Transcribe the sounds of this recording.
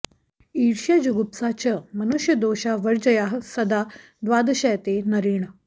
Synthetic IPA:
iːɾɕjad͡ʑuɡupsat͡ɕəmənuɕjəd̪oɕaʋəɾd͡ʑəjaɦsɐd̪a | d̪ʋaːd̪əɕəjət̪enɐɾiːɳə

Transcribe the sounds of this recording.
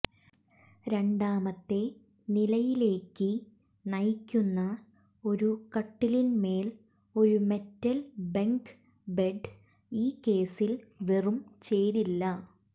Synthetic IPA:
ɾe̞ɳɖaːmɐt̪ːe̞ | nilɐjile̞ːkːɨ | nɐjkʲːunːɐ | o̞ɾukɐʈːilinme̞ːl | o̞ɾume̞tːɐlbeŋk | beɖ | iːkːe̞ːsilʋerumt͡ɕe̞ːɾilːɐ

